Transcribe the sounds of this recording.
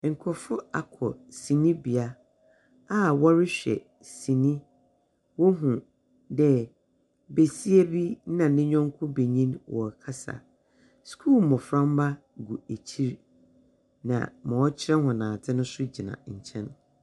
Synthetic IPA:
ŋ̩˨kʰɔ˨fʊ˦a̰˨kʰɔ̰˨sĩ˨nĩ˦bi˨a˦ | a˦wɔ˦ɾɪ˦ɕᶣɛ̰˨ | sĩ˨nĩ˦ | wɔ˦ɦũ˨ | dɛ˦ | be˨si˦e˦bi˦nã˨nɪ̃˦ɲᶣɔ̃˦ŋ˦kʰʊ˦be˨ɲĩ˦nwʔɔ̰˨kʰa˦sa̰˨ | skʰuː˦˨mɔ̃˨fɾã˦m˦ba˦ | ɡu˨e˨t͡ɕʰi˦ɾ | nã̰˨mɔ̃˨ɔ˦t͡ɕʰɪ˦ɾɛ˦ɦʊ̃˨nãː˨tʰɪ˦nʊ̃˦sʊ˦d͡ʑi˨nã̰˨ɲ̩˨t͡ɕʰɛ̰̃˦n

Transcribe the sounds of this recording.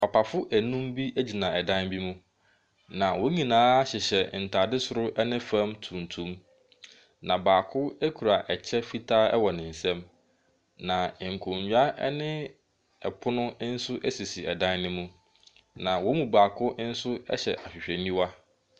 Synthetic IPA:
a˨pʰa˨fʊ˦ʔæ˨nũ˦mbi˦ʔæ˦d͡ʑi˨nã˨ɛ˨dã˦nbi˦mũ˦ | nã˨wɔ˦ɲĩ˨nãː˦a˦ɕɪ˨ɕɛ˨n̩˨tʰa˨dɪ˦sʊ˨ɾʊ˦ʔɛ˦nɪ̃˦fã˦mtʰũ˨ntʰũ˦m | nã˨baː˨kʰʊ˦æ˦kʰu˨ɾa˨ʔɛ˨t͡ɕʰɛ˦fi˦tʰaː˦ɛ̰˦wɔ˨nɪ̃˨n̩˨sɛ̃˦m | nã˨ŋ̩˨kʰʊ̃˨ɲɥᶣa˦ɛ̰˦nɪ̃˦ | ɛ̰˨pʰʊ˦nʊ̃˦n̩˦sʊ˦ʔɛ˦si˨si˨ɛ˨dã˦nnɪ̃˦mũ˦ | nã˨wɔ˦mũ˨baː˨kʰʊ˦n̩˦sʊ˦ɛ̰˦ɕɛ̰˨ʔa˨ɕᶣɪ˨ɕᶣɛ˨nĩ˦wa˦

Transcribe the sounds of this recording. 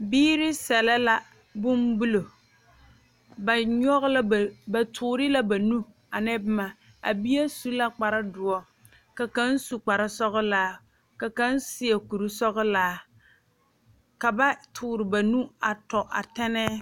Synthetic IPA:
biː˦ɾɪ˦sɛ˨lɛ˦la˦ | bʊ˦mbu˦lo˨ | ba˨ɲɔ˦ɣla˦˨ba˨tʰʊː˨ɾɪ˦la˦ba˨nu˦ | a˨nɛ˦bma˨ | a̰˨bi˦a˦su˦la˦k͡pa˨ɾa˦dʊ˨ɔ˦ | ka˨ka˦n˦su˨k͡pa˨ɾa˦sɔ˦ɣʊ˦laː˦ | ka˨ka˦nsɪ˦a˨ku˨ɾu˦sɔ˦ɣɨ˦laː˨˦ | ka˨ba˦tʰʊː˨ɾɪ˨ba˨nu˦a˨tɔ˨ʔa̰˨tɛ˦nɛː˦

